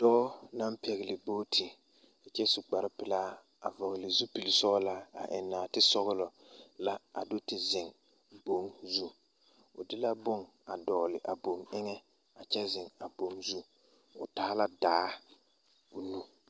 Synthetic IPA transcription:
d̥ɔː˦na˦mpʰɛ˨ɣɪ˨lɪ˨boː˦tʰɪ˨ | t͡ʃɛ˦su˨ɡ͡ba˨ɾɪ˦pɪ˨laː˦ | a̰˨vɔ˨ɣlɪ˨zu˦pi˨lɪ˨sɔ˦la˦a̰˨ʔɪ̰˨nːa˨tɪ˦sɔ˦ɣʊ˦lɔ˨ | la˦a̰˨do˦tɪ˨zɪ˨ŋ | bo˦ŋzu˦ | ʊ˨dɪ˦la˦bʊ˦˨ŋ | a˨dɔː˨lɪ˨ʔa˨bo˨ŋɪ˦ŋɛ˦ | a˨t͡ʃɛ˦zɪ˨ŋa˨bo˨ŋzu˦ | ʊ̰˨taː˦la˦daː˨˦ | ʊ˨nu˦

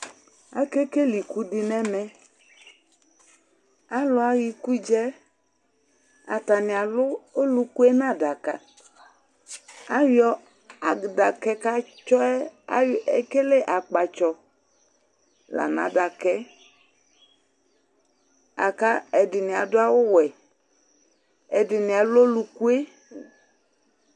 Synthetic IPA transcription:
a˦ke˦ke˦li˨ku˦di˨nɛ̃˦mɛ̃˨ | a˦lʊ˨˦a˨ji˨ku˦d͡ʒɛ˦ | a˨t̪a˨nɪ̃˨a˨lʊ˦o˦lu˦ku˦ɛ˦nã˦˨da˨ka̰˨ | a˦wjɔ˦ | a˨da˨kɛ˦ka˦t͡ʃɔ˦ɛ˦a˦e˨ke˦le˦ʔa˨k͡pa˨t͡ʃɔ˨ | la̰˨nã̰˨da˨kɛ˦ | a̰˨ka˦ɛ˨dɪ˨nɪ̃˨a˨dʊ˦a˦wʊ˦wɛ˨ | ɛ˨dɪ˨nɪ̃˨a˨lʊ˦o˦lu˨ku˦e˦

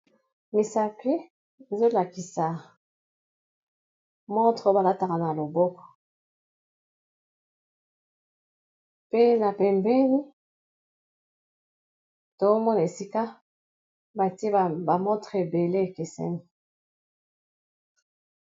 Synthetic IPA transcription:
mi˨sa˨pi˦ | e˨zo˦la˨ki˨sa˨ | mɔ˦tʁo˦ba˨la˦ta˨ka˨na˨lo˨bɔ˦kɔ̥˨ | pe˦na˨pɛ˨mbɛ˦ni˦ | to˨o˦mɔ˦na˨e˨si˦ka˦ | ba˨ti˦e˦˨ba˨mɔ̃˦tʁe˨be˨le˦e˨ke˨sɛ̰˦ni˨

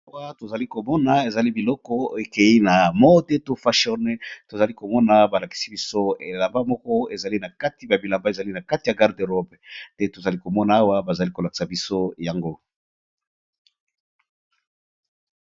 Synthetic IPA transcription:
a˦wa˦to˨za˨li˦ko˨mɔ˦na˨e˨za˨li˦bi˨lɔ˦kɔ˦e˨ke˨i˦na˨mɔ˦te˦to˦fa˦ʃɔ˦ne˦to˨za˨li˦ko˨mɔ˦na˨ba˨la˨ki̥˨si̥˦bi˦so˦e˨la˨mba˦mɔ˦kɔ˦e˨za˨li˦na˨ka˦ti˨˦ba˨bi˨la˨mba˦e˨za˨li˦na˨ka˦ti˨ja˨ɡa˦ʁde˨ʁɔ˦btɛ˦to˨za˨li˦ko˨mɔ˦na˨˦a˦wa˦ba˨za˨li˦ko˨la˨ki̥˨sa˨bi˦so˦ja˨ŋɡo˦

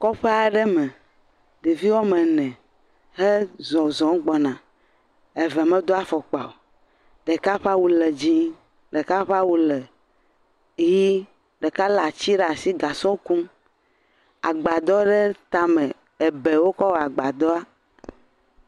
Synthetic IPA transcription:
kɔ˦ɸe˦a˨ɖɛ˦mɛ˨ | ɖ̪e˨vi˦wɔ˦mɛ̃˨nɛ̃˨ | ɦe˦zɔ˨zɔ̃˨˦ɡ͡bɔ˨nã˨ | e˨vɛ˨mɛ̃˦d̪o˦a˦fɔ˨k͡pa˨wo˨ | ɖɛ˨ka˦ɸa˦wu˨lɛ˨d͡ʑi˦ | ɖe˨ka˦ɸa˦wu˦lɛ˨ | ji˦ | ɖɛ˨ka˦la˨t͡ɕi˦ɖa˨si˦ɡa˨sɔ˦kũ˦m | a̰˨ɡ͡ba˨d̪ɔ˦ɖɛ˦t̪a˦mɛ̃˨ | e˨be˨wo˦kɔ˦wa˨ɡ͡ba˨d̪ɔ˦a˦

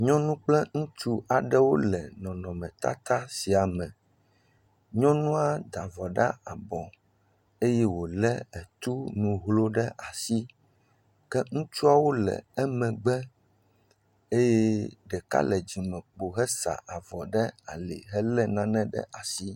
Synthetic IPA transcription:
ɲɔ̃˦nũ˦k͡plɛ˦ŋũ˦t͡ʃu˦a˨ɖɛ˦wo˦lɛ˨nɔ̃˨nɔ̃˨mɛ̃˨t̪a̰˦t̪a˦si˨a˨mɛ̃˨ | ɲɔ̃˦nũ˦a˦d̪a˨vɔ˨ɖa̰˦a˨bɔ̃˨ | e˦jɛ˦wo˨lɛ˦ɛ˨t̪u˦nũ˨ɦlo˦ɖɛ˦ʔa˨si˦ | kɛ˦ŋũ˦t͡ʃu˦a˦wo˦lɛ̰˨ɛ˦mɛ̃˨ɡ͡bɛ˦ | e˦jɛ˦ɖɛ˨ka̰˦lɛ˨d͡ʑi˨mɛ̃˨k͡po˨ɦɛ˦sa̰˨ʔa˨vɔ˨ɖɛ˦a˨lɛ̰˨ɦɛ˦lɛ˦nã˦nɛ̃˦ɖɛ̰˦ʔa˨si˦

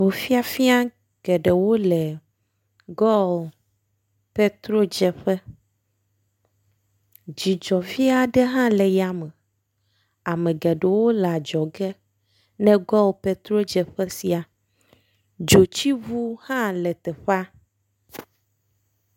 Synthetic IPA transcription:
vo˨fi˦a˨fi˦a˦ | ɡ̥ɛ˨ɖɛ˨wo˦lɛ˨ | ɡɔ˦˨ | pɛ˦t̪ɾo˦d͡ʒɛ˨ɸɛ˦ | d͡ʑi˨d͡ʒɔ˨fi˦a˦ɖɛ˦ɦã˦lɛ˨ja˨me˨ | a˨mẽ˨ɡɛ˨ɖɛ˨wo˦la˨d͡ʒɔ˨ɡɛ˦ | nɛ̃˦ɡɔ˦wpe˦t̪ɾo˦d͡ʒɛ˨ɸɛ˦si˨a˨ | d͡ʒo˨t͡ɕi˦vu˦hã˦lɛ˨t̪ɛ˨ɸa˦

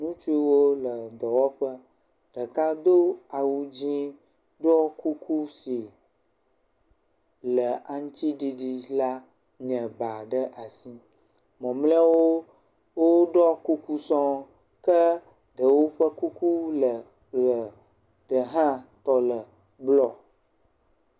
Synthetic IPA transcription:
nũ˦t͡ʃu˦i˦wo˦lə˨d̪ɔ˨wɔ˦ɸə˦ | ɖ̥ə˨ka˦d̪o˦a˨wu˦d͡ʑĩ˦ | ɖɔ˦ku˦ku˦si˨ | lə˨a˨ŋũ˦t̪i˦ɖi˨ɖi˨la˦ | ɲə̃˨ba˨ɖə˦ʔa˨si˦ | mɔ̃˨mlɛ˦wo˦ | wo˦ɖɔ˦ku˦ku˦sɔ̃˦ | kə˦ | ɖə˨wo˦ɸə˦ku˦ku˦lə˨ | ɣə˨ | ɖ̪̥ə˨ɦã˦t̪ɔ˨lə˨ | blɔ˨

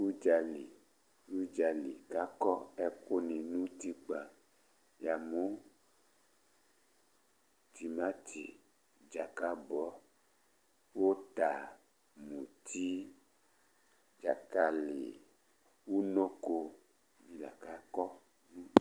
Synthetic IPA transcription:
u˦d͡ʒa˨lḭ˨ | wu˦d͡ʒa˨li˨ka˦kɔ˦ɛ˦ko˦nĩ˨nũ˦t̪i˦k͡pa˨ | ja˨mo˦ | t̪i˨mã˦t̪ʰḭ˨ | d͡ʒa˨ka˦bɔ˨˦ | wo˦t̪a˨ | mũ˨t̪ʰi˦ | d͡ʒa̰˨ka˨lḛ˨ | wu˦nõ˦ko˧ | mĩ˨la̰˨ka˨˦kɔ˦ | nũ˦

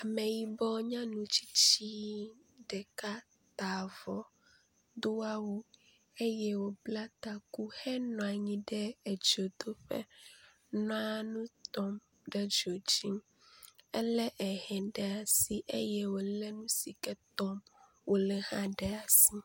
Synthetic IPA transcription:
a˨mẽ˨ji˦bɔ˦ɲã˦nũ˨t͡ɕi̥˦t͡ɕi˦ | ɖɛ˨ka˦ | t̪a˨vɔ˨ | d̪o˦a˦wu˦ | e˦jɛ˦wo˨bla˦t̪a˨ku˦hɛ˦nɔ̃˨a˨ɲĩ˦ɖɛ˦ɛ˨d͡ʒo˨d̪o˦ɸɛ̰˦ | nɔ̃˦a˦nũ˦t̪ɔ˦m | ɖɛ˦d͡ʒo˨d͡ʒi˦m | ɛ̰˦lɛ˦ʔɛ˨hɛ̃˨ɖɛ˨a˨si˦ʔḛ˦jɛ˦wo˨lɛ˦nũ˦si˨kɛ˦t̪ɔ˦m | wo˨lɛ˨hã˦ɖɛ˦a˨si˦

